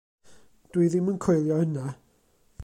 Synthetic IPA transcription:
d̥wiðɪmənkʰɔjlˠjɔhəna

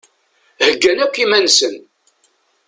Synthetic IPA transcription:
həɡːænækʷːimænsən

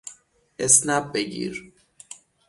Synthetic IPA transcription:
esnæb̚beɟḭːɾ

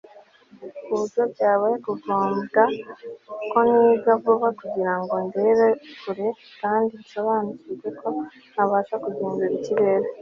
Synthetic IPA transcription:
kuzobɟaːβekuɡoːmɡa | ko̞niːzavuβakuɟiɾaŋɡo̞ndeβekuɾekaːndiisoβaːnucizekʰo̞ | naβaːʃakuɟiːŋɡuɾiciβe̞ːɾe

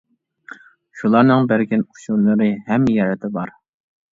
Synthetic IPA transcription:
ʃulˠɑɾnɨŋbæɾɡʲinuʃuɾlˠɨɾɨhɛmːjɛɾɛt̪ʰɪbɑɾ

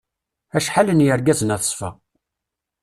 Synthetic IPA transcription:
æʃħalənjəɾɡæzənæθə̥sˤfə̰

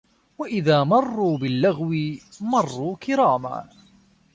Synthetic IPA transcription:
waʔɪðaːmɑrˤːuːbɪlːaɣwɪmɑrˤːuːkɪɾɑːma̰ː

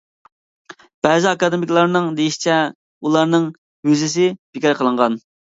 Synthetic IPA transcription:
b̥ɛzɪɑkɑd̪emikʲlˠɑɾnɨŋd̪ejiʃi̥t͡ʃʰɛ | ulˠɑɾnɨŋ | hyzɪsɪb̥ɪkʲiɾqʰəlˠɨɴʁɑn

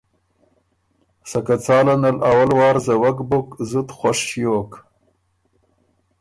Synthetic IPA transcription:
sakat͡sɑːlanalawalwɑːɾzawakbʊkzut̪xwaʂjoːk

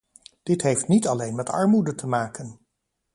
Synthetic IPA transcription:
d̥ɪtɦejftnitɑlejnmɛtɑ̰ɹmudətʰəmaːkən

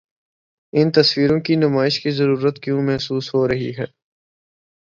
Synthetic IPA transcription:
ɪnt̪ɐswiːɾõkinʊmaːɪʃkizɐɾuːɾət̪kjõːmɛɦsuːsɦoːɾɐɦḭɦɛː

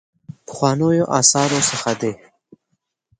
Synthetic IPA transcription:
pə̥xwɑnəjoʔɑ̰sɑɾosəxad̪e

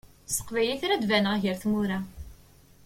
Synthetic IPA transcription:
sə̥qvæliθɾæd̪vænəʁʝəɾθmuɾæ

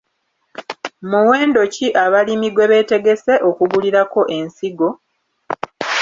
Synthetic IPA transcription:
muwe̞ːndo̞ciʔaβalimiɡwe̞βe̞te̞ɡe̞se̞ʔo̞kuɡuliɾako̞ʔe̞nsiɡo̞

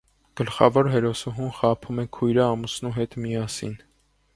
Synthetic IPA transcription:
ɡ̥əlχɑ̰vɔɾɦɛɾɔsɔɦumχɑpʰumɛkʰujɾəɑmusnuɦɛt̪mijɑsḭn

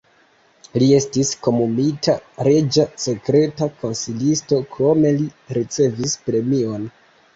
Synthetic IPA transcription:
lie̞stisko̞mumitʰaɾe̞d͡ʒase̞kɾe̞tako̞nsilisto̞kɾo̞me̞liɾit͡se̞vispɾe̞mio̞n

